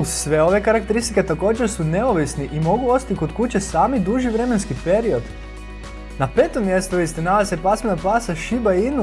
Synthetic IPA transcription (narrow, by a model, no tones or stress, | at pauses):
usʋe̞o̞ʋe̞kaɾak̚t̪eɾist̪iket̪ako̞ːd͡ʑeɾsune̞oʋisniʔimo̞ɡuo̞sḁt̪iko̞d̪kut͡ɕe̞saːmid̪uʒiʋɾe̞menskipe̞ɾio̞d̪ | nape̞ːt̪omje̞st̪uʋist̪enaʋesepasmenapaːsaʃibainu